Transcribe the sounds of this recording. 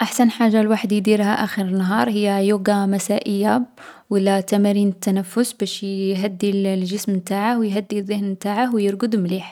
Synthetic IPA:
ʔaħsænħaʒːalwaħəd̪jd̪iɾhæʔæxəɾənːɦɑɾˤhəjːæjuɡamæsaʔəjːa | wəlːat̪æmæɾinət̪ːænæfːʊsbæʃɦæd̪ːillʒəsmt̪aʕahwjɦæd̪ːiðˤːəhnmt̪aʕahwjəɾɡəd̪mliħ

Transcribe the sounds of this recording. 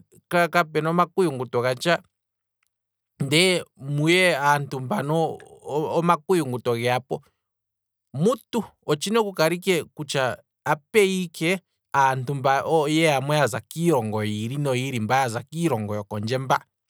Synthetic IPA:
kakapɛnɔmakujuŋɡutɔɣat͡ʃa | ndɛmujɛantumbanɔː | makujuŋɡutɔɣɛapɔ | mutu | ɔt͡ʃinɛkukaɾikɛkut͡ʃaː | pɛikɛ | antumbaʔɔjɛamwɛazakiɾɔŋɡɔiɾinɔiɾimbajazakiɾɔŋɡɔjɔkɔnd͡ʒɛmba

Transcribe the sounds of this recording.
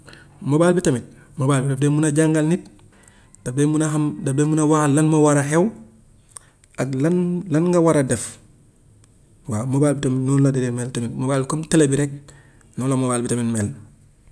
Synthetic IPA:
mobaːlbitɐmit̚ | mobaːlbidefdemunaɟaŋɡalnit̚ | d̥abemunaɦamdabemunawahalːanmowaɾaɦew | aɡlanlanŋɡawaɾadef | waːmobaːlbitɐmitnunladedemeltɐmitmobaːlikomtelebiɾek̚ | nolomobaːlbitamitmeːl

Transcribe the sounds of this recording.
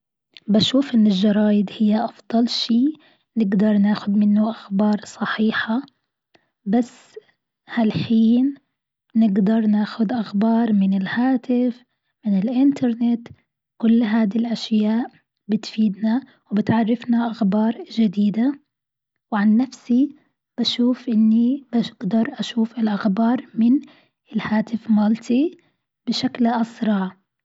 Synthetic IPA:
baʃuːfʔɪnːɪlʒɑɾˤɑːjɪd̪hɪjːaʔɑfd̪̥ˤɑlʃiː | nɪɡd̪ɑɾˤnaːxʊd̪mɪnːʊʔaxbɑːɾˤsˤɑħiːħa | basː | halħiːnː | ɪɡd̪ɑɾˤnaːxʊd̪ʔaxbɑːɾˤmɪnɪlhaːt̪ɪf | mɪnɪlʔɪnt̪ʰɑɾˤnɪt̪ | kʊlːɦaːd̪ilʔaʃjaːʔ | bɪt̪fiːd̪na | wbɪt̪ʕarˤːɪfnaʔaxbɑːɾˤd͡ʒad̪iːd̪a | wʕanːafsi | b̥aʃuːfʔɪnːib̥aɡ̥d̪ɑɾˤʔaʃuːfɪlʔaxbɑːɾˤmɪn | ɪlhaːt̪ɪfmaːlt̪ʰi | b̥ɪʃaklʔɑsɾˤɑʕ

